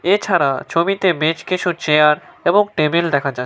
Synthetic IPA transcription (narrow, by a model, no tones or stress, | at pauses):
et͡ɕʰaɾa̰t͡ɕʰomit̪emet͡ɕkit͡ɕʰut͡ɕeaɾeboŋʈebeld̪ɛkʰad͡ʑa